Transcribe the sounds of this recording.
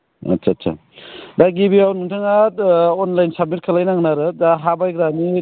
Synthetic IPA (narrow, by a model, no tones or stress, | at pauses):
ɐ̰tsʰaːtsʰa̰ | daɡibiawnuŋtʰɯŋaonlajnsab̚mit̚kʰalajnaŋnaɾɯdaɦabajɡɾani